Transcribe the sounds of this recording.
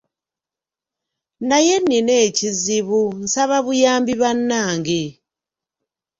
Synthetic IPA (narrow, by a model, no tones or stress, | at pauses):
najenineːciziβun̩saβaβujaːmbiβanːaːŋɡe